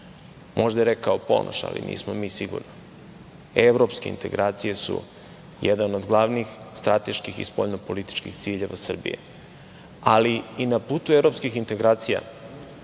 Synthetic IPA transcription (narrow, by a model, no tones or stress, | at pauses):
mʔo̞ʒd̪aeɾekaopo̞̰nʔo̰ʃa̰lḭnʔḭːsmomiːsiɡṵɾni | eʋɾo̞pske̞ḭnt̪e̞̰ɡɾʔaːt̪sije̞sṵ | jed̪anod̪ɡlˠaʋnixst̪ɾat̪e̞ʃkixḭspoʎnopo̞lit̪i̥t͡ʃkixt̪siːʎe̞ʋasr̩bḭjḛ | aliinapuːt̪uevɾo̞pskixint̪e̞ɡɾaːt̪sija̰